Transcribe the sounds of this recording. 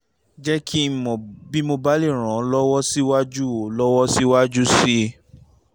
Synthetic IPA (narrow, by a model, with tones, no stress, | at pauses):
d͡ʒɛ˦kʰi˦˨mɔ̃˨bi˦mo˧ba˦le˦˨ɾ̃ã˨˦lɔ˦wɔ˦si˦wa˦d͡ʒu˦o˨lɔ˦wɔ˦si˦wa˦d͡ʒu˦si˦